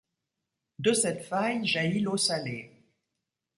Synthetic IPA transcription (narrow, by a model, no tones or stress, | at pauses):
d̪əsɛt̪fajʒailosale